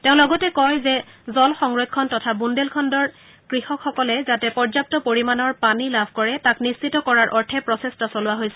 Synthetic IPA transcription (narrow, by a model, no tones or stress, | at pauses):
teʊ̃lɔɡɔtɛkɔjzɛ | zɔlxɔŋɹɔkkʰːɔntɔtʰabundelkʰɔndɔɹ | kɹixɔkxɔkɔlɛzatɛpɔɹzap̚tɔpoɹimanɔɹpanilabʱkɔɹɛtaknissʰitɔkɔɹaɹʔɔɹtʰɛpɹɔsestasolʊwaɦojsɛ̥